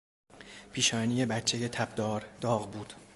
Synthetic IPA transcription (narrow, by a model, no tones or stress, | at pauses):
pʰiːʃɒːnijebætt͡ʃʰːeje̞t̪ʰæbd̪ɒːɾd̪̥ɒːɣbuːd̪̥